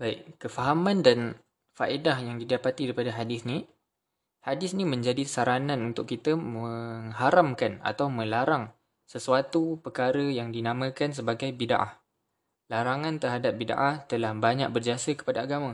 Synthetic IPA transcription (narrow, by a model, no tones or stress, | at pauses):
baɪʔkəfaɦamãndan | faʔidahjaŋdidapat̪idaɾipadaɦadɪsni | hadɪsnĩmə̃ɲd͡ʒadisaɾanãnunt̪ʊkːit̪əməŋɦaɾamkana̰t̪awmə̃laɾaŋ | səsuat̪upərkaɾəjaŋdinamə̃kans̬əbaɡajbida̰ʔa̰h | laɾaŋãnt̪ərɦadap̚bida̰ʔaht̪əlahbaɲa̰k̚bərd͡ʒiasəkə̥padaaɡamə̃